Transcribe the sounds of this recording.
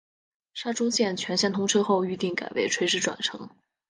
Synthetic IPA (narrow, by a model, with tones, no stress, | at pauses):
ʂa˥ʈ͡ʂʊ˥ɕjɛ˥˩nt͡ɕʰɥɛ˧˥nɕjnt̪ʰʊ˥ŋʈ͡ʂʰɤ˥xo˥˧ʊy˥˧t̪i˥˩ŋka̰˨˩ɪwe˥˩ɪʈ͡ʂʰwe˥ɪʂɻ̩˥˩ʈ͡ʂwa̰˨˩nʈ͡ʂʰɤ̰˧˥ŋ